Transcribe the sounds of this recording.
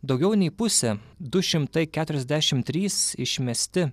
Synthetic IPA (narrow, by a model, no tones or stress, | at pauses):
d̪ɒʊɡʲɛʊnʲɛɪpʊsʲɛd̪ʊʃʲɪmt̪ɐɪkʲæːt̪ʊɾʲɛzʲd̪ʲæʃʲɪmt̪ʲɾʲiːsɪʃʲmʲɛsʲt̪ʲɪ